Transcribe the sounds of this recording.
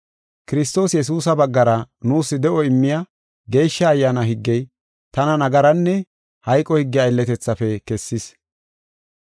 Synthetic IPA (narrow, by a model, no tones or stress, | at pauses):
kɪɾɪst̪o̞ːsjɛs̬uːs̬ɐbɐɡːɐɾɐ | nuːsːɪd̪ɛʔɔɪmːɪja | ɡe̞ːjʃːɐːjːaːnɐɦɪɡːɛj | t̪ɐnɐnɐɡɐɾɐnːɛ | hɐjkʼːɔhɪɡːɪɐjlːɛt̪ɛt͡sːɐfɛkɛsːɪs